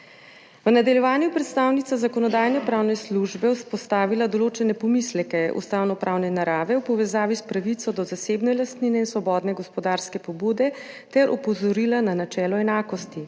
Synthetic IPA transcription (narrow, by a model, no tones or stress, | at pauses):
ʋnad̪aljɛʋaːnjupɾɛt̪st̪awnit̪sazakɔnɔd̪aːjnɛpɾaːwnɛsluʒbɛwspɔst̪aːʋilad̪ɔloːt͡ʃɛnɛpɔmislɛkɛṵst̪awnɔpɾʔaːwnɛnaɾaːʋɛwpɔʋɛzaːʋispɾaʋit̪sɔd̪ɔzaseːbnɛlast̪ninɛinsʋɔbɔːd̪nɛɡɔspɔd̪aɾskɛpɔbud̪ɛ | t̪ɛɾʔɔpɔzɔɾilananat͡ʃɛːlɔɛnaːkɔst̪i